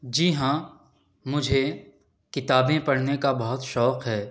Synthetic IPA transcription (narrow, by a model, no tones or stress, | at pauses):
d͡ʒiːɦã | mʊd͡ʒʱe | kɪt̪aːbẽpɐɽ̤nekabɐɦʊt̪ʃɔːqɦɛː